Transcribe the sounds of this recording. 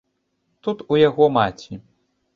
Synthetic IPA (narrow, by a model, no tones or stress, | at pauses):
t̪ut̪ujaɣɔmat͡sʲi